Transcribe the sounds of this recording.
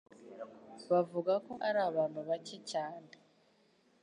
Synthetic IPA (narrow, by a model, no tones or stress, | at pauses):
βavuɡakoʔaɾaːβaːn̤uβacicaːndi